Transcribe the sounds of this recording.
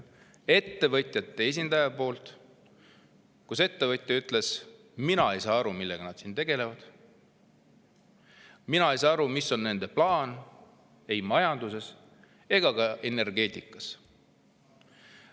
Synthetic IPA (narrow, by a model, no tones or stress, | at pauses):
e̞t̪ːe̞vɤt̪ʲˑjɑt̪ːˑe̞es̬ʲind̪ɑjɑpo̞ːlt̪ | kuse̞t̪ːe̞vɤt̪ʲjɑyt̪ːˑle̞s | minɑe̞jsɑːɑɾumilːe̞ɡ̥ɑnɑd̪̥siːnt̪e̞ɡ̥e̞le̞vɑd̪̥ | minɑejsɑːɑɾumisːo̞nːe̞nd̪̥e̞plɑːn | e̞jmɑjɑnd̪̥use̞s | e̞ɡ̥ɑkɑe̞ne̞rɡe̞t̪ˑikːˑɑs